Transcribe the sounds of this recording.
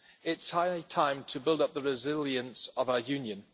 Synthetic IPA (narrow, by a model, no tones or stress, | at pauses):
ɪtshaɪtʰãɪ̃mtʰəbɪlˠdʌp̚ðəɹɪzɪlˠjə̃nsəvaʊə˞jʉ̃njə̃n